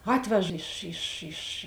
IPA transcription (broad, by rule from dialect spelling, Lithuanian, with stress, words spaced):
ˈɑːtʲʋʲɛʃ ɪʃ ɪʃ ɪʃ